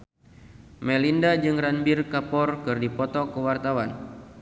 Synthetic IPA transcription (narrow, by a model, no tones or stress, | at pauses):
mɛlindad͡ʒɨŋranbirkapɔrkɨrdipɔt̪ɔkəwart̪awan